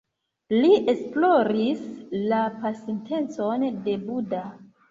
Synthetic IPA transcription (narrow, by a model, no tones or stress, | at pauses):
liʔe̞splo̞ɾislapasinte̞nt͡so̞nde̞buda